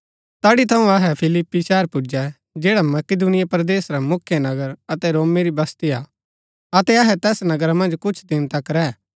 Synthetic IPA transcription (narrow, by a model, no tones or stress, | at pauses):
t̪aːɽit̪ʰɐũɐɦɛpʰɪlɪpːiʃɛːəɾpʊd͡ʒɛ | d͡ʒeːɽamɐkɪd̪unɪjapɾəd̪eːsɾamʊkʰːjənɐɡəɾɐt̪ɛɾoːmeɾibɐst̪ia | ɐt̪ɛɐɦɛt̪ɛːsnɐɡəɾamɐ̃nd͡ʒkʊt͡ʃʰd̪ɪnt̪akɾɛː